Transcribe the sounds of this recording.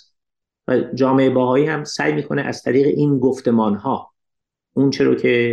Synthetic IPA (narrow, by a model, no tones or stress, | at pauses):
væd͡ʒɒːmeʔebæɦɒːiːhæmsæ̰jmiːkʰo̞neʔæz̥t̪ʰæɾiːɣḛʔiːnɡoft̪e̞mɒːnhɒː | ʔunt͡ʃʰeɾo̰ːcʰe̞